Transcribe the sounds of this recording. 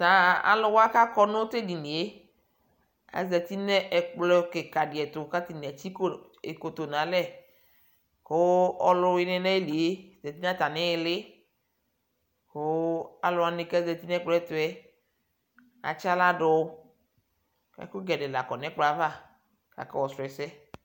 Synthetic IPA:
sã˨a̰˨lʊ˦wa˦ka˦kɔ˦nõ˦t̪e˦di˨nĩ˨e˦ | a̰˨˦zɛ˨t̪i˦nɛ̃˦ʔɛ˨k͡plɔ˦ke˨ka˨dɪ˨ɛ˨t̪ʊ˨ka˦t̪i˨nɛ˨t͡ɕi˦k | e˨ko˨t̪o˨nã˨˦lɛ˦˨ | ko˦ɔ˨lɔ˦we˨nɛ̃˨nɛ̃˦e˦li˨e˦˨zɛ˨t̪i˦n˦ã˦t̪a˨nɛ̃˦e˨lɪ˦ | ho˦a̰˨lɔ˨a˨nẽ˨kɛ˦zɛ˨t̪i˦nɛ̃˦k͡plɔ˦ɛ˦t̪o˨ɛ˦ | a̰˨t͡ʃa˦la˦ɖɔ˨˦ | ɛ̰˨ko˦ɡɛ˨ɖe˨la˨kɔ˨nɛ̃˦k͡plɔ˨a˦˨va˦˨ | ka̰˨kɛ˦wɔ˨sɾɔ˨ɛ˨sɛ˦

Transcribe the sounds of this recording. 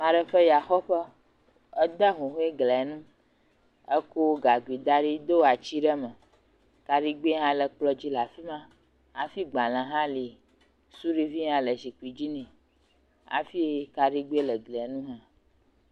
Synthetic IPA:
mã˨ɖə˦ɸə˦ja˨xɔ˦ɸə˦ | ɛ˦d̪a˦ɦũ˨ɦo˦e˦ɡlɛ˨ɛ˨nũ˦ | e˦ko˦wo˦ɡa˨ɡu˨i˨d̪a˦ɖi˦d̪o˦wa˨t͡ʃi˦ɖɛ˦mɛ̃˨ | ka˨ɖi˦ɡ͡be˦ɦã˦lə˨k͡plɔ˦d͡ʑi˦la˨fi˦mã˦ | a˨fi˦ɡ͡ba˨lã˨ɦã˦li˨ | su˦ɖi˦vi˦ɦã˦lə˨zi˨k͡pu˨i˨d͡ʑi˦nĩ˨ | a̰˨fi˦e˦ka˨ɖi˦ɡ͡be˦e˦lə˨ɡlɛ˨˦nũ˦ɦã˦

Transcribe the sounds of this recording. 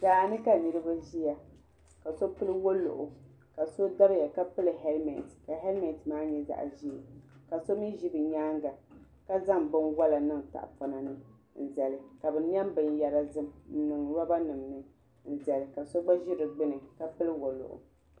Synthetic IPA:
z̥aː˨nɨ˦ka˨nɨ˨ɾɨ˦ba˦ʒi˦ja˨ | ka˨so˦pɨ˦lɨ˦wo˦lʊ̰˨ʔʊ˨ | ka˨so˦da˦ɾɪ˦ja˨ka˦pɨ˦lɨ˨ɦɛ˦lmɛ̰˨n˨tka˨ɦɛ˦lmɛ˨n˨tmaː˦ɲɛ˨za̰˦ʔʒi˦˨ka˨so˦mi˦ʒi˦bɨ˨ɲaː˦ŋɡa˨ | ka˦za˦ŋbɨ˦nwa˦la˨nɨ˦ŋta̰˨ʔfa˨na˨nɨ˦ | n̩˨zɛ˨lɨ˨ka˨bɨ˨n˦ɛ˦mbɨ˨nja˨ɾa˦zɨ˦m˨n̩˦nɨ˨ŋɾa˦ba˦nɨ˨mnɨ˦ | n̩˨zɛ˨lɨ˨ka˨so˦ɡ͡ba˦ʒi˦ɾɨ˨ɡ͡bɨ˦nɨ˨ka˨pɨ˦lɨ˦wo˨lʊ̰˨ʔʊ̰˨

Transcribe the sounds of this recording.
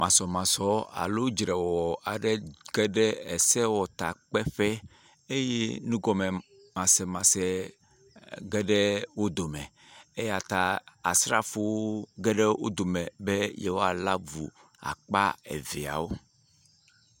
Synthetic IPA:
mã˨sɔ˨mã˨sɔ˨a̰˨lo˦d͡ʒɾɛ˨wɔ˨a˨ɖe˦ɡ̥e˦ɖe˦e˨sɛ˦wɔ˨t̪a˨k͡pɛ˦ɸɛ˦ | e˦je˦nũ˦ɡɔ˨me˨ | mã˨sɛ˨mã˨sɛ˨ | ɡe˦ɖe˦wo˦d̪o˨mɛ̃˨ | e˦ja˨t̪a˨a˨sɾa˦fo˦wo˦ɡɛ˦ɖe˦wo̰˦d̪o˨mɛ̃˨be˦je˦wo˦a˨la˦vu˨ | a̰˨k͡pa̰˦ḛ˨vi˨a̰˨wo˦

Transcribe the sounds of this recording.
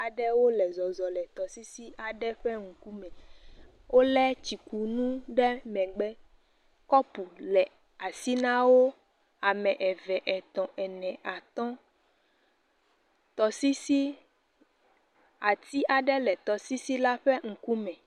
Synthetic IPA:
a˨ɖɛ˦wo˦lɛ˨zɔ˨zɔ˨lɛ˨t̪ɔ˨si˦si˦ʔa˨ɖɛ˦ɸɛ˦ŋ̩˨ku˦mɛ̃˨ | wo˦lɛ˦t͡ɕi˨ku˨nũ˦ɖɛ˦mɛ̃˨ɡ͡bɛ˦ | kɔ˦pu˨lɛ˨ | a˨si˦nã˦wo˦ | a˨mɛ̃˨ʔɛ˨vɛ˨ʔɛ˨t̪ɔ̃˨ʔɛ˨nɛ̃˨a˨t̪ɔ̃˦ | t̪ɔ˨si˦si˦ | a˨t̪i˦ʔa˨ɖɛ˦lɛ˨t̪ɔ˨si˦si˦la˦ɸɛ˦ŋ̩˨ku˦mɛ̃˨

